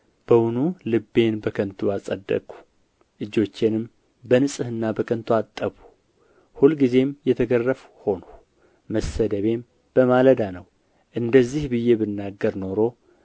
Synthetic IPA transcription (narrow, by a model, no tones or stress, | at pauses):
b̥əwunulɨbːe̞nbəkʰənt̪ʰuasʼəd̪ːə̰kʼu̥ | ʔɨd͡ʒːo̞t͡ʃːenɨm | bənɨsʼɨhɨnːabəkʰənt̪ʰuat̪ʼːəβu̥ | hulɡize̞mjɛt̪ʰəɡərːəf | ho̞no | məsəd̪əβe̞m | b̥əmaləd̪anəw | ʔɨnd̪əzːihbɨjːe̞bɨnːaɡːəɾno̞ɾo̞